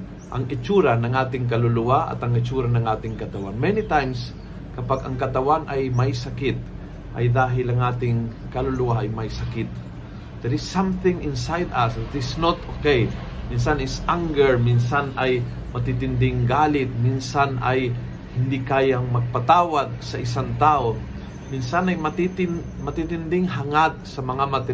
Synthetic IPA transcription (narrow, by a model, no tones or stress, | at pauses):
ʔɐŋɪt͡ʃuːɾanɐŋʔaːt̪ɪŋkɐlʊlʊwaɐ̰t̪ɐŋɪt͡ʃuɾanɐŋʔaːt̪ɪŋkɐt̪ɐwanmɛnit̪ajms | kɐpaɡɐŋkɐt̪ɐwanʔɐjmɐjsɐkɪt̪̚ | ʔɐ̰jd̪aːɦɪlɐŋʔaːt̪ɪŋ | kɐlʊlʊwaʔɐjmɐjsɐkɪt̪̚ | d̪ɛɾɪsːãmθɪ̃ŋɪ̃nsajd̪asɪt̪ɪsnot̪okej | mins̬anɪsʔaŋɡɛɹminsanʔɐj | mɐt̪it̪ɪnd̪ɪŋɡaːlɪt̪̚minsanɐj | hɪnd̪ikaːjaŋmɐɡ̚pɐt̪aːwad̪̚sɐʔɪs̬aŋt̪aːʔo | minsanɐjmɐt̪it̪ɪn | mɐt̪it̪ɪnd̪ɪŋɦɐŋad̪̚sɐmɐŋamɐt̪ɪ